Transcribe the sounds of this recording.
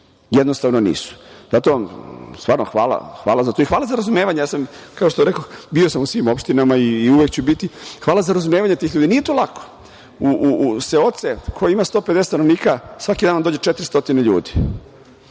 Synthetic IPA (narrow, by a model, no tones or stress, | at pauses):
jed̪nost̪aːʋnonḭːsu̥zat̪omst̪ʋaːɾnoxʋaːla̰xʋa̰ːlazat̪oixʋaːlazaɾazumeʋaɲejaːsamkaoʃt̪oɾekobio̞samusʋiːmo̞pʃt̪inamaiːuʋekt͡ɕubit̪ixʋaːlazaɾazumeːʋaɲet̪iːxʎuːd̪inije̞t̪olako̥ | uʔseo̞t̪sekʰojeimast̪oped̪ese̥sanoʋniːkasʋakid̪anamd̪oːd͡ʑet͡ʃet̪ɾist̪o̞t̪ineʎṵːd̪i̥